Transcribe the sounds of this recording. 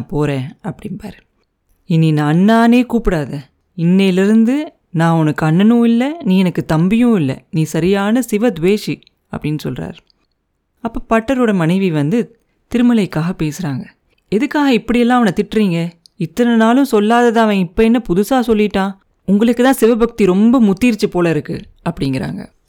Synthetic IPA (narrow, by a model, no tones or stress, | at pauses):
naːpoːɾẽːɐpːɐɽɪnpa̰ːɾ | ɪnːinaɐnːaːneːkuːpɪɽaːðɐ | ɪnːɛɪlɪɾɯnd̪ɯ | nãːɔnɯkːɐɳːɐnũːɪlːɐniːɛnɐkːɯt̪ɐmbɪjʊ̃ːɪlːɐ̰niːsɐɾɪjaːnɐsɪʋɐd̪ʋeːʂi | ɐ̰pːɐɽɪnːɯsɔ̰lra̰ːɾ | ɐpːɐːpɐʈːɐɾoːɽɐmɐnɐɪʋiʋɐnd̪ɯ | t̪ɪɾɯmɐlɐɪkːaːɣɐpeːsɯɾaːŋɡɐ | ɛðɯkːaːɣɐɪpːɐɽɪjɛlːãːɐʋɐnɐt̪ɪʈːɾiːŋɡɐ | ɪt̪ːɐnɐnaːlʊ̃sɔlːaːðɐðãːɐʋɐ̃ɪpːɐɛnːɐpʊðʊsaːsɔlːɪʈːãː | ʊŋɡɐɭɯkːɯt̪ãːsɪʋɐbɐk̚t̪iɾɔmbɐmʊt̪ːiːɾt͡ʃːɯpoːlɐɪɾɯkːɯ̰ | ɐpːɐɽɪŋɡɪɾa̰ːŋɡɐ̰